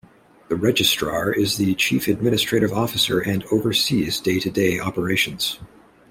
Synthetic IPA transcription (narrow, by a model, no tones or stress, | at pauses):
ðɨɹɛd͡ʒɨstɹ̥ɑɹɪzðɨt͡ʃʰifɨd̚mɪ̃ñɨstɹ̥eɪɾɨvɔfɨsə˞ʔɨ̃noʊvə˞sizdeɪɾɨdeɪʔɑpə˞eɪʃɨ̃n̩z̥